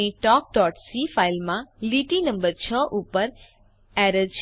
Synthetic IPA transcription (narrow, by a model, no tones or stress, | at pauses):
iʈɔk̚ɖɔʈsifailmãliʈinəmbəɾt͡ʃʰəʔupəɾ | ɛɾəlt͡ʃ